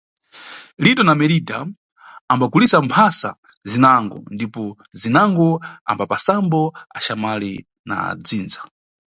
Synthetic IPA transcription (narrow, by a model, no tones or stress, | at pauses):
litɔnamɛɾidaː | mbaɡulisampʰasa̰ | zinaŋɡɔ̰ndipɔ | zinaŋɡɔa̰mbapasambɔa̰ʃamali | na̰d͡ziːnza